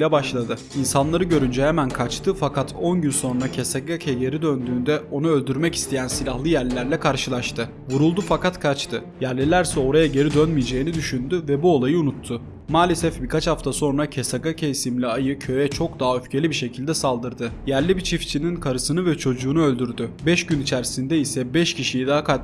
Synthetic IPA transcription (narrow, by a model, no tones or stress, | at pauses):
lʲɛbaʃlˠad̪ɯ | insanlˠaɾɯɟø̞ɾynd͡ʒɛhemænkʰat͡ʃt̪ʰɯfakʰat̪ʰo̞nɟynso̞nɾacʰesaɡacʰɛɟe̞ɾid̪ø̞nd̪yːnd̪ɛo̞nuølʲd̪yɾmɛci̥st̪ʰe̞jænsilʲahlˠɯjæɾlʲːæɾlʲɛkʰaɾʃɯlˠaʃt̪ʰɯ | vuɾulˠd̪ufakat̪kʰat͡ʃt̪ʰɯ | jæɾlʲilʲæɾsɛo̞ɾajaɟe̞ɾid̪ønmijed͡ʒe̞jinid̪yʃynd̪yvɛbuo̞lˠajɯunut̪ʰːʊ | maːlʲe̞sɛfbikʰat͡ʃhaft̪ʰaso̞nɾacʰesaɡacʰeisimlʲiajɯcʰø̞jɛt͡ʃʰo̞k̚d̪aɦaøfcʰelʲibiʃe̞cʰilʲd̪ɛsalˠd̪ɯɾd̪ɯjæɾlʲibit͡ʃʰift͡ʃʰininkʰaɾɯsɯnɯvɛt͡ʃʰo̞d͡ʒuːnuø̞lʲd̪yɾd̪ybɛʃɟynit͡ʃʰæɾsind̪ɛisɛbɛʃcʰiʃijid̪aaka